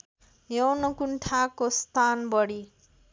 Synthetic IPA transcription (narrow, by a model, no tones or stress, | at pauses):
jʌwnʌkuɳʈʰakost̪ʰanbʌɽi